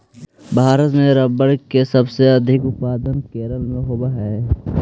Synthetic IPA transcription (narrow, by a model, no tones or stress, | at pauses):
bʱaːɾət̪mẽɾɐbəɽkesɐbseɐd̪ʱɪkʊt̪̚paːd̪ənkeːɾəlmẽɦoːbaɦɛː